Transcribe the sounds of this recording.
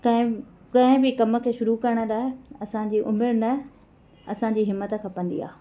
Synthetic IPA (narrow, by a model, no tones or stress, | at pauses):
kɐ̃ɦɪ̃ | kɐ̃ɦɪ̃bɪkɐmə̆kʰeːʃʊɾukɐɾəɽ̃ə̆laːɪɐsã̆d͡ʑiːʔʊmɪɾnɐ | ɐsãɲd͡ʑiːɦɪmːət̪ə̆kʰɐ̃pɐ̃n̆d̪ḭa̰ː